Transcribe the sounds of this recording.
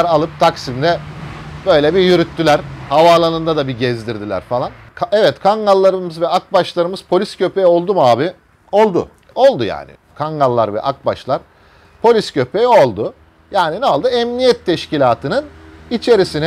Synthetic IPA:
ɾalˠɯp̚t̪ʰaksimd̪ɛbø̞jlʲeɛbijyɾyt̪ʰːylʲæɾ̥havaːlˠanɯnd̪ad̪abiɟɛzd̪iɾd̪ilʲæ̰ɾfalˠan | kʰɛvɛt̪kʰaŋɡalˠːaɾɯmɯzvɛak̚baʃlˠaɾɯmɯz̥pʰo̞lʲiscʰø̞pejo̞lˠd̪umaːbi | o̞lˠd̪ʊ̰ | o̞lˠd̪uja̰ːnɪ̰kʰaŋɡalˠːaɾvɛ̰ʔak̚ba̰ʃlˠaɾ̥ | pʰo̞lʲiscʰø̞pʰejo̞lˠd̪ʊ | jaːninɛolˠd̪uɛmnijɛt̪ʰːɛʃcilʲaːt̪ʰɯnɯnit͡ʃʰe̞ɾisinɛ

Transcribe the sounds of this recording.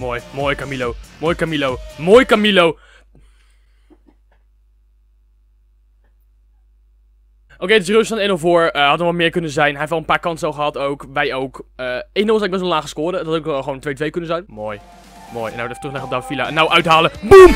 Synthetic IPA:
moːjmoːjkamilowmoːjkamilowmoːjkamilow | ʔowkejətɪsrøsfɔnenolˠvoːɹəhɑtɔʋɔtmɪːɹkɵnənzɛjnɦɛjɪftɛlˠənpaːɹkɑntɛlˠχəɦɑtowkʋɛjowkəeːənɔlˠsɛnɡ̚bɛnsʋɔlaːχə̥skoːdətɑtokχʋowntʋejtʋejkɵnənzɛjnmoːj | mo̰ːjɛnawtɛfətrɵχlɛχəɔbdawfilaɛnːawʔœɥtɦaːləbum

